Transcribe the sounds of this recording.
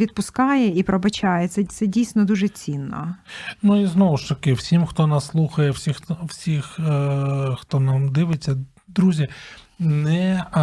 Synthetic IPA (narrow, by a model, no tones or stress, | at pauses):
ʋʲid̪̚pʊskɑjɛipɾɔbɐt͡ʃɑjɛt̪sɛt̪ɛdʲijsʲnɔd̪uʒɛt͡sʲinːɐ̰nuiznɔʋʊʃt̪ɐkɪwsʲimxt̪ɔnasːlˠuxɐjɛwsʲixwsʲix | xt̪ɔnamd̪ɪʋet͡sʲːɐ | d̪ɾuzʲinɛ